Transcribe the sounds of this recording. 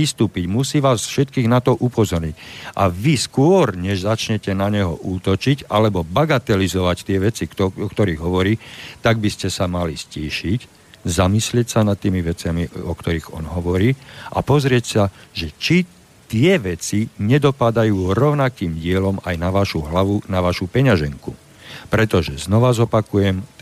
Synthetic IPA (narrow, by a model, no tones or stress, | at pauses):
ist̪uːpiɟmusiːʋaːsfʃɛt̪kiːɣnat̪ɔʔupɔzɔɾɲicʔaʋiskʊɔɾɲɛʒzat͡ʃɲɛcɛnaɲɛɦɔ̰ʔuːt̪ɔt͡ʃicalɛbɔbaɡat̪ɛlizɔʋact̪ɪɛʋɛt͡siɔkt̪ɔɾiːɣɦɔʋɔɾiːt̪aɡ̚biscɛsamalisciːʃic | zamislɪɛcsanat̪ːiːmiʋɛt͡sɪamiɔkt̪ɔɾiɣɔ̰nɦɔʋɔɾiːʔa̰pɔzɾɪɛcsaʒɛt͡ʃi | t̪ɪɛʋɛt͡siɲɛd̪ɔpad̪ajuːɾɔʊnakiːmɟɪɛlɔmajnaʋaʃuɦlaʋunaʋaʃupɛɲaʒɛŋku | pɾɛt̪ɔʒɛznɔʋazɔpakujɛm